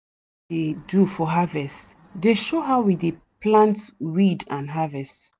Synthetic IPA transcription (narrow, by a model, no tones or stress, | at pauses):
edufɔɦavɛst | deʃoɦawideplãntɹidãnɦavɛst